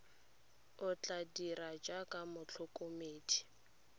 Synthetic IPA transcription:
ʊt͡ɬʼadirad͡ʒakʼamʊt͡ɬʰʊkʼomeːdʰi̥

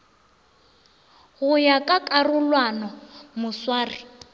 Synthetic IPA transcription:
hʊjakʼakʼarʊlwanɔmʊswaːri

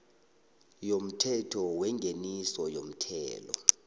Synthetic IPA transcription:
jom̩tʰɛtʰɔwɛŋɡʱenisɔjom̩tʰɛːlɔ̰

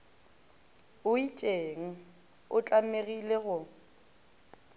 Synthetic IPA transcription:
ʊit͡ʃʼeŋ̩ | ʊt͡ɬʼameɣileɣʊ

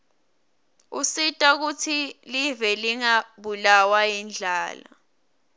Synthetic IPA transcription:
usitʼak̬utʰilivɛliŋaɓulawajind͡ɮʱaːla̰

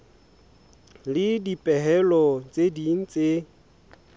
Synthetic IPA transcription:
lɪdipʼɛɦɛlɔt͡sʼediŋ̩t͡se

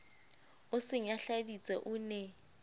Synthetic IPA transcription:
ʊsɪŋ̩jaɬadit͡sʼɛʔuːnɛ

